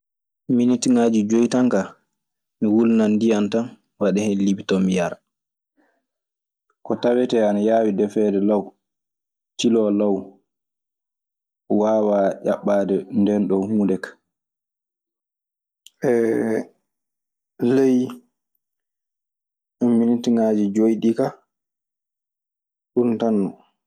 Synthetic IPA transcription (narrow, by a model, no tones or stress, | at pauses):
minitiŋaːd͡ʒid͡ʒojtaŋka | miwulnandijantan | waɗɛhɛnlibitɔmijaɾ | kɔtawɛtɛanajaːwidɛfɛdɛlaw | tilɔlaw | waːwaʔa̰ɓːaːdɛndɛnɗɔhuːndɛkḁ | ʔɛ | lej | ʔɔmːinitiŋad͡ʒid͡ʒojɗika | ɗuntanːɔ